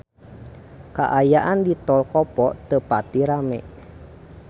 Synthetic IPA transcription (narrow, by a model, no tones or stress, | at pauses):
ka̰ʔajaʔandit̪ɔlkɔpɔʔt̪əpat̪iɾamɛ̰ʔ